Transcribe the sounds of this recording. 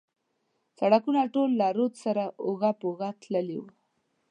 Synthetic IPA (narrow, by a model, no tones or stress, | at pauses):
saɽakunaʈolːaɾot̪saɾaʔoɣapoɣat̪ləliw